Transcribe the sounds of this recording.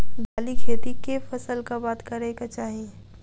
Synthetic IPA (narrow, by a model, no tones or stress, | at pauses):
bʱaːlikʰeːt̪ikefɐsəlkabaːt̪kɐɾekat͡ʃaːɦie